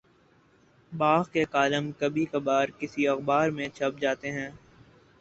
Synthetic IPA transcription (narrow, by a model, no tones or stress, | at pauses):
baːɣkekaːləmkɐbʱikɐbaːɾkɪsiɐxbaːɾmẽt͡ʃʰɐp̚d͡ʒaːt̪eɦɛ̃ː